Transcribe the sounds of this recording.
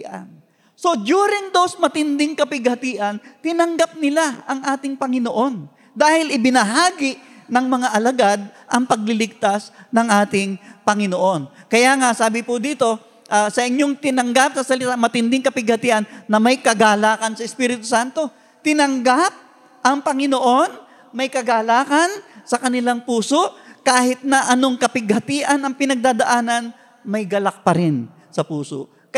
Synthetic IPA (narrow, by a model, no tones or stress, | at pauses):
ʔa̰n | so̞d̪uːɾɪŋd̪osmɐt̪ɪnd̪ɪŋkɐpɪɡhɐt̪iʔɐnt̪ɪnɐŋɡap̚nɪlaɐŋʔaːt̪ɪŋpɐŋɪnoʔo̞n | d̪aːhɪlʔɪbɪnɐɦaːɡɪʔnɐŋmɐŋaʔɐlɐɡad̪̚ʔɐŋpɐɡ̚lɪlɪɡ̚t̪asnɐŋʔaːt̪ɪŋpɐŋɪnoʔo̞nkɐjaːŋaʔsaːbɪpʊd̪iːt̪o̞ | ʔaːsɐʔɪɲjoŋt̪ɪnɐŋɡap̚sɐsɐlɪt̪amɐt̪ɪnd̪ɪŋkɐpɪɡ̚hɐt̪iːʔɐnːɐmɐjkɐɡaːlaːkɐnsɐɪspiːɾɪt̪osant̪o̞ | t̪ɪnɐŋɡap̚ | ʔɐŋpɐŋɪno̞ʔo̞n | mɐjkɐɡaːlaːkɐnsɐkɐnɪlaŋpuːso̞ʔkaːhɪt̪̚nɐʔɐno̞ŋkɐpɪɡhɐt̪iːʔɐnɐŋpɪnɐɡ̚d̪aːd̪ɐʔaːnɐn | mɐjɡɐlɐk̚pɐɾɪn | sɐpuːso̰ʔ | k